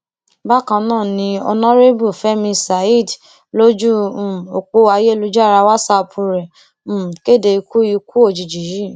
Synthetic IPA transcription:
ba˦kã˧nãː˦˨nĩ˧ɔ̰˧nɔ̃˦ɾe˦bu˦˨fɛ˦mĩ˧sa˨i˦˨d | lo˦d͡ʒũ˦˨o˨k͡po˧a˧je˦˨lu˧˦d͡ʒa˦˨ɾa˧wa˦sa˧pʰu˧ɾɛ̃˨˦˨ | ke˦˨de˧i˧ku˦i˧ku˦o˦˨d͡ʒi˨d͡ʒi˨ji˦˨

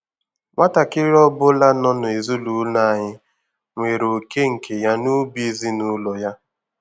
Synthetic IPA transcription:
ŋʷa˦ta˨kɪ˦ɾɔ˦bʊ˦la˦nɔ˦nʊ˨e˨zu˦lu˨˦na˦˨a˨ɲɪ˦ | ŋʷe˨ɾo˨ke˦ŋ̩˨kʰe˨ja˦nu˦bi˦zi˦nʊ˦lɔ˨ja˦

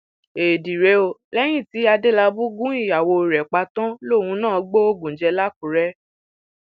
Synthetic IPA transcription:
e˨di˨ɾe˨˧o˧lɛ˦j̃ĩ˦˨ti˨˦a˧de˦la˧bu˦ɡũ˦i˦˨ja˨wo˧˨ɾɛ˨k͡pa˧tã˦lo˦˨wũ˧˦nãː˦˨˦ɡ͡bo˦o˦˨ɡũ˨n̩˨d͡ʒɛ˧la˦ku˨ɾɛ˦

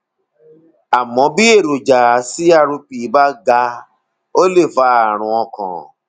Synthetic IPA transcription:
a˨mɔ̃˨˦bi˦e˦˨ɾo˨d͡ʒa˨a˨˦si˦a˦˨ɾũ˧pi˨˦ba˦ɡa˧ | o˦le˦˨fa˧a˦˨ɾ̃ũ˧ɔ̃˧kɔ̰̃˨

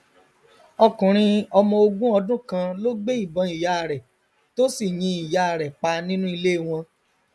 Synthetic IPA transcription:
ɔ˧kũ˨ɾ̃ĩ˧ɔ˧mɔ̃˧o˧ɡũ˦ɔ˧dũ˦kã˧lo˦ɡ͡be˦i˦˨bɔ̃˧˦i˨ja˨˦˨ɾɛ˨ | to˦si˦˨j̃ĩ˧i˨ja˨a˨ɾɛ˨k͡pa˧nĩ˦nũ˦i˧le˦˨w̃ɔ̃˧

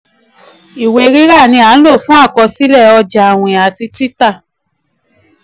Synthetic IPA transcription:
i˨we˧ɾi˦ɾa˦˨nĩ˧a˨˦n̩˦lo˦˨fũ˦a˦˨kɔ˧si˦lɛ˦˨ɔ˧d͡ʒa˨w̃ĩ˨a˨ti˧ti˦ta˦˨

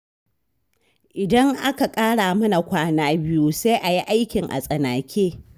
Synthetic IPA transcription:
ʔɪ˨dɐ˦ŋʔa˦ka˨kʼaː˦ɽaː˨mɐ˦na˨kʷaː˦naː˦bɪ˦ju˦sa˦jʔa˨ji˦ʔa˦jkʲɪ˨ŋʔa̰˨sʼɐ˨naː˨kʲʰeː˦

